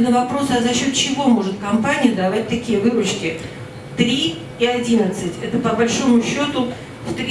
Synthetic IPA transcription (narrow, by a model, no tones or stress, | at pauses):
nəvɐpɾo̞sɐzɐɕːo̞t̪t͡ɕɪvo̞mo̞ʐɨt̪kɐmpanʲɪjəd̪ɐvat̚ʲt̪ɐkʲijəvɨɾʊt͡ɕkʲɪ | t̪ɾʲi | iɐdʲinət̪sɨtʲɛt̪əpəbɐlʲʂo̞mʊɕːo̞t̪ʊ | ft̪ɾʲ